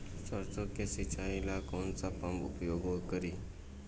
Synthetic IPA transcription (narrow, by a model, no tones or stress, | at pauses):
səɾt͡sokesit͡ɕailakɔnt͡sapãmpṵpjoɡʋkəɾiː